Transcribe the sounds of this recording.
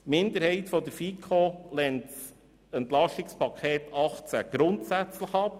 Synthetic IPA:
mɪnd̪əɾhɛɪt̪fɔd̪əɾfikʰolɛnts | ɛntlɑʃtɪkspɑkʰχeːt̪ɑχt͡sæɡ̥ɾʊnt̪sæt͡sləχɑp

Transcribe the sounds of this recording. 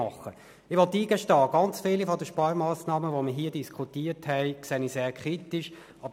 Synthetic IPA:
ɑχːə | ɪʋɔlt̪iːɡ̥əʃtɑːɡ̥ɑnt͡sfɪlifɔdəʃpɑːɾmɑːsnɑːməʋoməɦiːədiskʰutiːthɛɪkseːniseːɾkʰʁitiʃ | ɑb

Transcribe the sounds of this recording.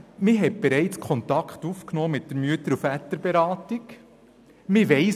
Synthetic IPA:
mɪɦɛt̚b̥ɛɾɛɪt͡skʰχɔnt̪ɑkχtufknɔːmɪt̚dəɾmyətəɾufætəɾbeɾɑːtik | mɪʋɛɪ

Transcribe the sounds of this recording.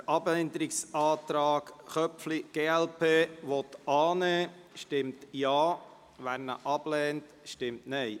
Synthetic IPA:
ʔɑbɛnd̪əɾɪksɑːt̪ɾɑːɡχœpfliɡ̥eːɛlpʰeːʋɔt̪ɑːnɛː | ʃtɪmt̪jɑː | ʋæːɾnə̰ʔɑb̥lɛːnt | ʃtɪmtnɛɪ

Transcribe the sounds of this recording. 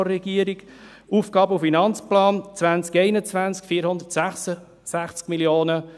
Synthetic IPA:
ɾɛɡ̥iəɾiɡ | uːfɡɑːbəufinɑnt͡splɑːnt͡sʋænt͡skɛɪnət͡sʋænt͡skfiːəɾhʊnd̪ətsæχsə | sæχt͡skmiljoːnə

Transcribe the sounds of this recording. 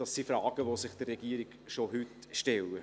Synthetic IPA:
d̥ɑsːifɾɑːɡ̥əʋosɪχd̥ərːɛɡiːəɾɪɡ̥ʃoɦʉtʃtɛlə

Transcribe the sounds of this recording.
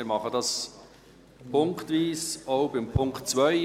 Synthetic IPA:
ɾmɑχədɑs | pʰʊŋktviːsoʊbɪmpʰʊŋktt͡svœʏ

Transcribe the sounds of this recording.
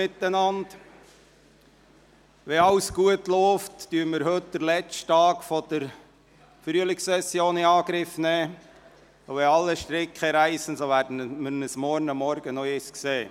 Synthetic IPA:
ɪt̪ːənɑnd | ʋɛɑwsɡ̥uətlɔːftdyəɾməɾɦɵtd̪̥əɾlɛt͡ʃttɑːkfɔd̥əɾ | fɾyəlɪkssɛsːjoːnɪɑːɡɾɪfnɛː | oʋɛɑlːəʃtɾɪkχəɾæɪsən̩soʋæːɾdən̩mənəsmɔɾnɑmːɔɾɡ̥ənɔɪskseː

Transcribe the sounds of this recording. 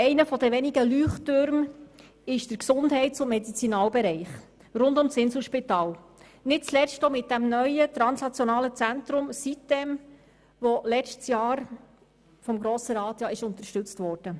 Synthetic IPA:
ɛɪnəfɔd̪əʋɛniɡəlyːχtøɾm | ɪʃd̥əɾksʊndɦɛɪtt͡sʊnmɛdit͡sinɑːlbɛɾɛɪχ | rʊndʊmsɪnsl̩ʃpitɑːl | nɪt̚t͡slɛstomɪt̚d̥æmnœʏət̪ɾɑnsnɑt͡sjɔnɑːlət͡sænt̪ɾʊmsitd̥ɛm | ʋɔlɛt͡ʃtsjɑːɾ | fɔmɡɾoːsəɾɑːt̪jɑːɪʃʊnt̪əɾʃtɵt͡stʋɔɾd̥ə

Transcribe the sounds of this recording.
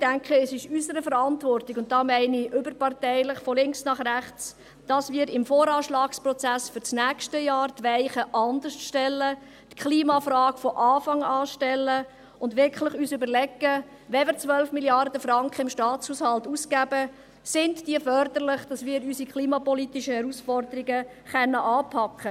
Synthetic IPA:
d̥æŋkχəɛsɪʃysəɾəfəɾɑntʋɔrtiɡʊnt̚d̥ɑːmæɪniʔʏbəɾpɑrtɛɪləχfɔlɪŋksnɑχræχt͡s | d̥ɑsmiːɾɪmfɔːɾɑːʃlɑːksprɔt͡sæsfʏɾt͡snæːkʃtəjɑːɾt̪ʋɛɪχəʔɑnd̪əsʃtɛlːə | t̪kʰliːmɑfɾɑːkfɔʔɑːfɑŋɑːʃtɛlːə | ʊndʋɪɾkχləχyːsʏbəɾlɛɡːə | ʋɛvəɾt͡sʋœlfmiljɑrd̥̪əfɾɑŋkχəɪmʃtɑːt͡shushɑlt̪uskæbə | sɪntdiəfœɾd̪əɾlɪχd̥ɑsmɪːəɾysikχliːmɑpɔlit̪ɪʃəhɛɾusfɔrd̪əɾiɡə | χɛnːəʔɑːpʰɑkχə

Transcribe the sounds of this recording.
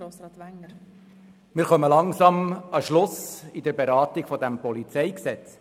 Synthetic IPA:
o | mɪːɾχœməlɑŋsɑmɑʃlʊsɪdəɾbeɾɑːtɪɡ̥fɔdæmpɔlit͡sɛɪksɛt͡s

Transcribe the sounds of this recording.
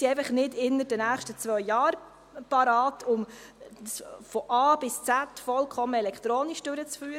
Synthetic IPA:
siɛɪfəχnɪdɪnːəɾd̥ənæːχʃtət͡sʋœjːɑːɾ | pɑɾɑːtʰʊm | sfɔʔɑːb̥ɪst͡sætfɔlkʰɔməɛlɛkχt̪ɾoːnɪʃd̥ʊɾət͡sfyːɾə

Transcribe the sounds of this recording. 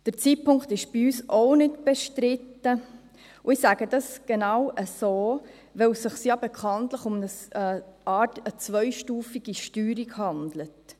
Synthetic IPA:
d̥əɾt͡siːtpʰʊŋktɪʃb̥iyːsʔoʊnɪtb̥ɛʃtɾɪtːə | ʊɪsæːɡ̥ədɑsɡ̥enɑwʔəsoː | ʋɛwsɪχsjɑbekʰɑntləχʊmnə | ɑːtət͡svœʏʃtuːfiɡ̥iʃtyːɾikhɑndlət

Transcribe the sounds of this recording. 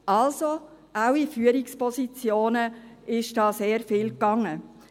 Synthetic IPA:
ʔɑlso | awifyːəɾɪkspʰɔsit͡sjoːnəɪʃd̥ɑːseːɾfiːlkɑŋːə

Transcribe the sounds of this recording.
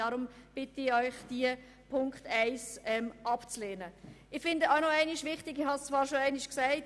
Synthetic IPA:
ɑɾʊmb̥ɪtəɪɔʏχd̥iə | pʰʊŋkχtæɪsɛmʔɑpt͡sleːnəɪχfɪndəaʊnoæɪnɪʃʋɪχtɪɡɪχhɑst͡svɑːɾʃoæɪnɪʃksæɪt

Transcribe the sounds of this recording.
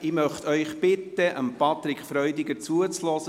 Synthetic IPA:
ɪmœχtœʏχpɪt̪ːəʔəmpɑt̪ɾɪkχfɾœʏdɪɡəɾt͡suət͡slɔːsə

